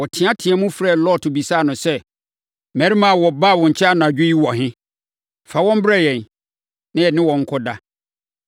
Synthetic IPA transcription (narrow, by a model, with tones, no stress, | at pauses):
wɔ˨tʰɪ̃˨˦a˦tʰɪ̃˨a˦mũ˦fɾa˦˨lɔ˦˨tʰʊ˨bi˨saː˦˨nʊ̃˨sɛ˦ | mɛ˨ɾi˦mã˦˨wɔ˨ba˦˨wɔ̃˨ɲ̩˨t͡ɕʰɛ˦a˦˨nʊ̃˨a˨d͡ʑᶣʊ˦ji˦wɔ˨hɪ̃˦ | fa˨wɔ̃˦m˦bɾa˦˨jɛ̃˨n˨ | nɪ̃˦jɛ˨nɪ̃˦wɔ̃˨ŋ̩˦kʰɔ˦da˦